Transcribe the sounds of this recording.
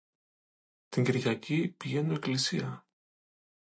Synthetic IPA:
t̪iŋɟiɾʝɐcipiʝe̞nue̞klisiɐ

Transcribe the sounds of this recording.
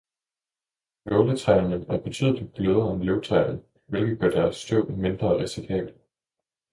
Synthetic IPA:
loʊlət͡sʰʁɛɪnənæɐb̥e̝t͡sʰy̰ð̰ˠlid̥̚b̥løð̞ˠɐɒ̽mløʊt͡sʰʁɑɪn̩ | ʋe̝lɡ̥ð̩ˠɡ̥ɶɐd̥æɐsːd̥ɔʊ̰me̝nd̥ʁɐːʁisikʰɛ̰ːb̥l̩ˠ

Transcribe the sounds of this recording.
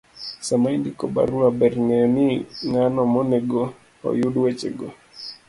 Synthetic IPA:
samaindikɔba̰ɾuabɛɾnɛniŋanɔmɔnɛɡɔ | ɔ̰juɗwɛt͡ʃɛ̰ɡo

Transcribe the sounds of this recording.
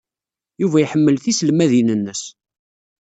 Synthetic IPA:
juvæjħəmːəlθislmæðinənːəs

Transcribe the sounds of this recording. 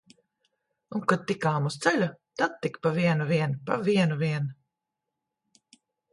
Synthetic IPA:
uŋkad̪̚t̪ikaːmust̪sɛlʲut̪ad̪̚t̪ːikpaviɛnuviɛnpa̰viɛnuviɛn

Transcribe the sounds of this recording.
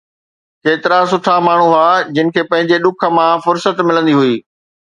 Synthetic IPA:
keːt̪ɪɾasʊʈʰamaːɳ̤uɦuad͡ʑɪnɪ̆kʰeːpɐ̃ɦɪ̃ɲd͡ʑeɗʊkʰə̆mãfʊɾsət̪mɪlə̃nd̪iɦuiː

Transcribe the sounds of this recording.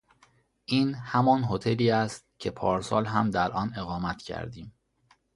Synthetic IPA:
ʔiːnhæmɒːnɦot̪ʰe̞liːæst̪̚cʰe̞pʰɒːɾsɒ̰ːlɦæmd̪æɾʔɒːne̞ɣɒːmæt̪ʰcʰæ̰ɾd̪iːm

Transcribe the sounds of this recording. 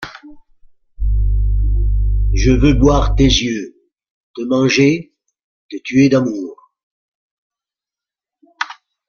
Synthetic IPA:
ʒəvøbwaʁt̪ezjø | t̪əmɑ̃ʒe | kət̪yɛd̪amuːʁ

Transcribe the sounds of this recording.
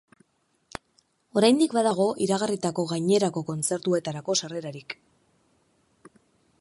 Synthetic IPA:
o̞ɾajnd̪ikbaðaɣ̞o̞ʔiɾaɣarit̪ako̞ɣajɲe̞ɾako̞ko̞nt͡se̞ɾt̪ue̞t̪aɾako̞sare̞ɾaɾik

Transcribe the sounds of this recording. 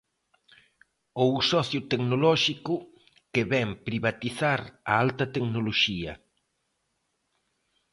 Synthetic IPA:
owsɔθjʊt̪eknolɔʃikʊ | keβɛmpɾiβat̪iθaɾa̰alt̪ɐt̪eknoloʃiɐ̰

